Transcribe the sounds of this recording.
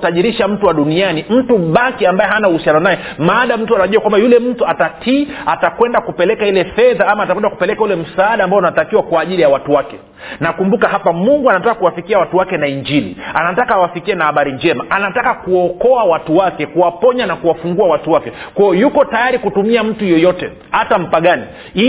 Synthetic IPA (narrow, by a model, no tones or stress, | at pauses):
taʄiɾiʃam̩tuwaɗunianim̩tuɓakiambajɛɦanauhusianɔnajɛmaːɗam̩tuanaʄuwakwambajulɛm̩tuatatʰiatakwɛndakupɛlɛkailɛfɛðaamaːtakwɛndakupɛlɛkaulɛm̩saːɗaːmbaɔnatakiwakwaːʄilijawatuwakɛ | nakumbukahapamuŋɡuanatakakuwafikiawatuwakɛnaiɲd͡ʒilḭanatakaːwafikiɛnahaɓaɾiɲd͡ʒɛmaʔanatakakuɔkɔawatuwakɛkuwapɔɲanakuwafuŋɡuawatuwakɛkwajɔjukɔtajaɾikutumiam̩tujɔjɔtɛ | hatam̩paɠani | i